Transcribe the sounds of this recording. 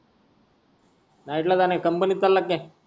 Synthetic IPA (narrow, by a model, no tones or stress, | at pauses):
naiʈlat̪anekəmpənit̪ːalːakːẽ